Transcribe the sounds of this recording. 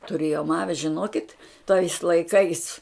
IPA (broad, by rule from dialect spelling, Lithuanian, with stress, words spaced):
tʊˈrʲeːjoːm ˈɑːʋʲɪ ʒʲɪˈnoːkʲɪt tɐɪs lˠɐɪˈkɐɪs